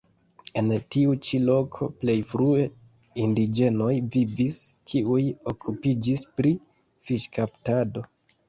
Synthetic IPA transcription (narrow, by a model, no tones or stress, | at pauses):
e̞ntiut͡ʃilo̞kʰo̞̰ple̞jfɾue̞ | indid͡ʒe̞no̞jviviskʰiujokʰupid͡ʒispɾi | fiʃkaptado̞